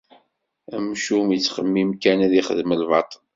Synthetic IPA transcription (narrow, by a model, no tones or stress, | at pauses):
æmʃumjət͡sːχəmːimkænæðiχəðməlvɑ̰t̪ˤl